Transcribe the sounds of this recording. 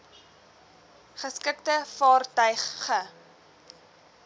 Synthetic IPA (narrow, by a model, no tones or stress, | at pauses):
χəskəktəfɑːrtœɥχə